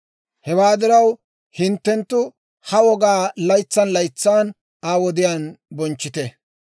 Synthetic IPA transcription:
hɛwaːd̪ɪɾɐw | hɪnt̪ːɛnt̪ːʊ | hɐwɔɡaːlɐjt͡sːɐnlɐjt͡sːaːn | aːwɔd̪ɪjaːnbɔnt͡ʃːɪt̪ɛ

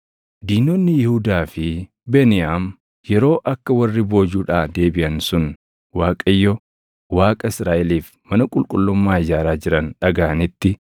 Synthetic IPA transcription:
d̪iːnɔnːɪjɪhʊd̪aːfɪ | bɛnɪjaːm | jɛɾo̞ːʔɐkːɐwɐrːɪbo̞ːd͡ʒuːᶑaːd̪e̞ːbɪʔɐnsʊn | waːkʼɐjːɔ | waːkʼɐɪsɾaːʔɛliːf | mɐnɐkʼʊlkʼʊlːɔmːaːɪd͡ʒaːɾaːd͡ʒɪɾɐnᶑɐɡaːɐnɪt̪ːɪ

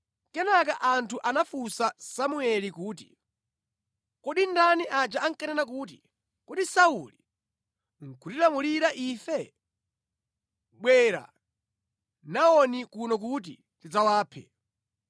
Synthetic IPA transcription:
kɛnak̬aʔantʰuʔanafusasamuɛlikuːt̬i̥̰ | kɔɗindaniʔad͡ʒaaŋkanɛnak̬uːt̬ḭ | kɔdisauli | ŋ̩kʰutiɾamuliɾaʔifɛ | ɓwɛɾa̰ | naɔnikunɔk̬ut̬ḭ | tid͡zawaːpʰɛ̰

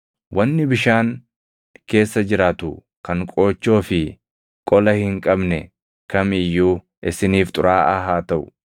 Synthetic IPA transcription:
wʔɐnːɪbɪʃaːŋ | ke̞ːsːɐd͡ʒɪɾaːt̪ʊ | kɐŋkʼo̞ːt͡ʃːo̞ːfɪ | kʼɔlɐhɪŋkʼɐbnɛ | kɐmɪjːuː | ʔɪsɪniːft̪ʼʊɾaːʔɐɦaːt̪ɐʔʊ̥

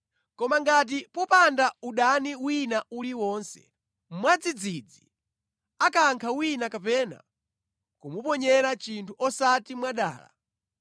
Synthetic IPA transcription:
kɔmaŋɡat̬ipɔpandauɗaniwinauliwɔːnsɛ̰ | mwad͡zid͡zid͡zi | akaŋkʰawinakapɛna̰ | kumupɔɲɛɾat͡ʃintʰuʔɔsatimwaɗa̰ːla̰

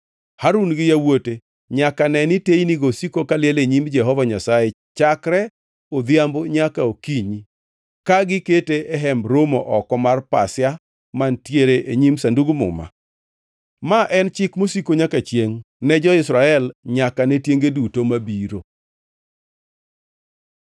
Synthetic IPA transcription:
haɾunɡɪjawote | ɲakanɛnɪtejniɡosikokalɪjɛleɲimd͡ʒɛɦɔvaɲasae | t͡ʃakɾɛ | od̪jamboɲakaokiɲi | kaɡɪketeʔɛɦɛmbɾomoʔɔkɔmarpa̰sɪja | mantjeɾeʔeɲimsanduɡmʊ̰ma̰ | maʔɛnt͡ʃɪkmosikoɲakat͡ʃjeŋ | nɛd͡ʒɔɪsɾaɛlɲakanɛtjeŋɡedutomabiɾo

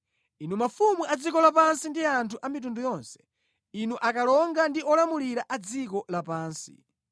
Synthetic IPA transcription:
inumafumuʔad͡zikɔlap̬ansindiantʰuʔamit̬undujɔnsɛ̥ | inuʔakalɔŋɡandiɔlamuliɾaʔad͡zikɔlapaːnsḭ

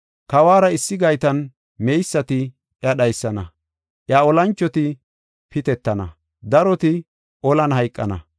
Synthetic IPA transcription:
kɐwaːɾɐɪsːɪɡɐjt̪ɐn | mejsːɐt̪ɪ | ʔjɐɗɐjsːɐnɐ | ʔjaɔlɐnt͡ʃʼːɔt̪ɪ | pɪt̪ɛt̪ːɐnɐ̰ | d̪ɐɾɔt̪ɪ | ʔɔlɐnɦɐjkʼːɐ̰nɐ̰

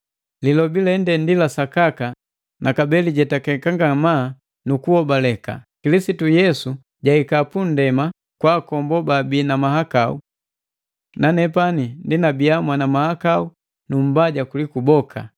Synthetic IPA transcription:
lilɔbilɛndɛndilasakaka | nakabɛliɟɛtakɛkaŋɡamaː | nukuɔbalɛka̰kilisitujɛsu | ɟaikapun̩dɛma | kwaːkɔmbɔbabiːnamaɦakaṵ | nanɛpanindinabiamwanamahakau | num̩baɟakulikubɔkʰa̰

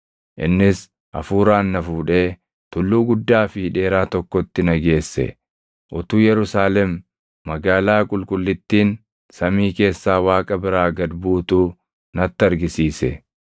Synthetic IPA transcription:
ʔɪ̰nːɪs | ʔɐ̰fuːɾaːnːɐfuːᶑeː | t̪ʊlːuːɡʊd̪ːaːfɪᶑe̞ːɾaːt̪ɔkːɔt̪ːɪnɐɡe̞ːsːɛ̰ | ʔʊt̪uːjɛɾʊsaːlɛmː | ɐɡaːlaːkʼʊlkʼʊlːɪt̪ːiːn | sɐmiːke̞ːsːaːwaːkʼɐbɪɾaːɡɐd̪buːt̪uː | nɐt̪ːɐɾɡɪsiːsɛ̰

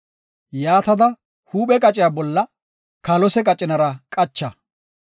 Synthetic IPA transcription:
jaːt̪ɐd̪ɐ | huːɓɛkʼɐt͡ʃʼɪjaːbɔlːɐ | kɐlɔsɛkʼɐt͡ʃʼɪnɐɾɐkʼɐt͡ʃːɐ

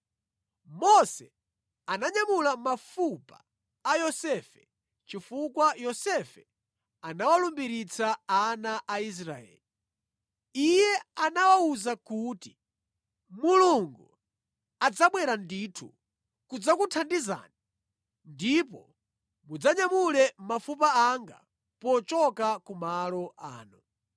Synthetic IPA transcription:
mɔsɛ | anaɲamulamafupaː | jɔsɛfɛ | t͡ʃifukwajɔsɛfɛ | anawalumbiɾit͡saːnaʔais̬ɾaɛ̰ːli | ijɛanawauzakuːti̥ | muluŋɡu | ad͡zaɓwɛɾanditʰṵ | kud͡zakutʰandiza̰ni | ndipɔ | mud͡zaɲamulɛmafupaaŋɡa̰ | pɔt͡ʃɔkakumalɔʔa̰ːnu

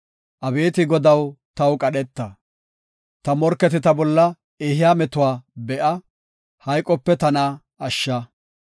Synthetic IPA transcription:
ʔɐbe̞ːt̪ɪɡɔd̪ɐwt̪ɐwkʼɐɗɛt̪ːɐ | t̪ɐmɔɾkːɛt̪ɪt̪ɐbɔlːɐ | ɛɦɪjaːmɛt̪ʊwaːbɛʔɐ | hɐjkʼːɔpːɛt̪ɐnaː | ɐʃːɐ

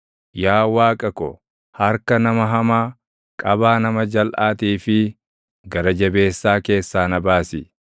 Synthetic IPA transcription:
jaːwaːkʼɐkɔ̰ | hɐɾkɐnɐmɐɦɐmaː | kʼɐbaːnɐmɐd͡ʒɐlʔaːt̪iːfɪ | ɡɐɾɐd͡ʒɐbe̞ːsːaːke̞ːsːaːnɐbaːsɪ

